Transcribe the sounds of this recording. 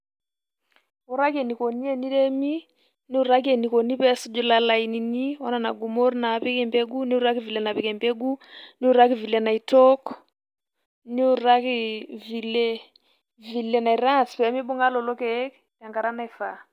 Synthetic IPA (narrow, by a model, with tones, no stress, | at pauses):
o˨ɾa˦ke˨ni˨ko˨ni˦e˦ni˦ɾɛ˦mi˦ | ni˦u˦˨ɾa˦k̬e˨ni˨ko˨ni˦pɛ˦su˦d͡ʒu˦la˦la˨i˨ni˨ni˦wɔ˦na˨na˨ɡu˨mo˦ɾna˨˦pɛ˦kɛ˨mbe˦ɡu˦ni˦u˦ɾa˦ki˦vi˨lɛ˨na˨pɛ˨kɛ˨mbe˦ɡu˦ni˦u˦ɾa˦ki˦vi˨le˦na˨i˨tɔ˦k | ni˦u˨ɾa˦ki˦vi˨le˦ | vi˨le˦na˨i˨ɾa˦spɛ˨˦mi˦ɓu˦ŋa˦lɔ˨lɔ˦kɛ˨˦k | ta˨ŋɡa˨ɾa˦na˨i˨fa˨